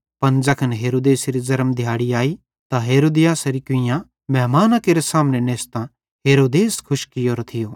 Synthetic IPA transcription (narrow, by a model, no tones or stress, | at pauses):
pɐnd͡ʒɐkʰənɦeːɾoːd̪eːsɾizɐɾəmd̪ʱjaːɽiaːi | t̪aɦeːɾoːd̪ɪjaːsɐɾikʊ̃ɪjã | mɛɦmaːnakeɾesaːmneneːst̪ã | ɦeːɾoːd̪eːskʰʊʃkɪjoːɾt̪ʰɪjoː